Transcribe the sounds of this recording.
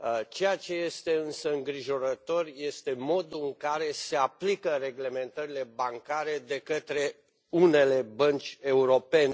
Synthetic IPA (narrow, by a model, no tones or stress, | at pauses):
t͡ʃe̞jat͡ʃe̞je̞st̪e̞ɨnsəɨŋɡɾiʒo̞ɾət̪o̞rje̞st̪e̞mo̞d̪uɨŋkaɾe̞se̞aplikəɾe̞ɡle̞me̞nt̪əɾile̞baŋkaɾe̞d̪e̞kət̪ɾe̞ | une̞le̞bənt͡ʃʲe̞uɾo̞pe̞n